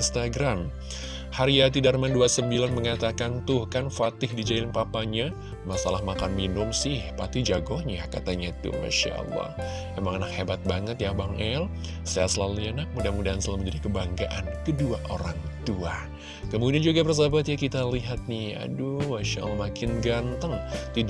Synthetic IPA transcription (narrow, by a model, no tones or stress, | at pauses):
nst̪aɡɾam | haɾiat̪̬idarmanduasəmbilanməŋat̪akant̪ʊhkanfat̪ɪhdid͡ʒaɪnpapaɲa | masalahmakanminʊmsɪhpat̪id͡ʒaɡɔhɲakat̪aɲait̪ṵma̰ʃa̰ʔɑ̰lˠːɑ̰h | emaŋanakhebat̪̚baŋət̪jaŋbaŋɛl | saa̰səlalianak̚mudamudaansəlaməɲd͡ʒadikəbaŋɡaʔankəduaʔoɾaŋt̪ua | kəmudiand͡ʒuɡabərs̬abat̪jakit̪aliɦat̪̚nija̰dumaʃa̰ʔlːhmakɪnɡant̪əŋt̪i